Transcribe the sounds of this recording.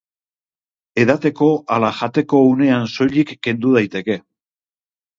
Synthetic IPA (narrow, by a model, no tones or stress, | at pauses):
e̞ðat̪e̞ko̞ʔalaʝat̪e̞ko̞une̞anso̞ʎikːe̞nd̪uð̞ajt̪e̞ke̞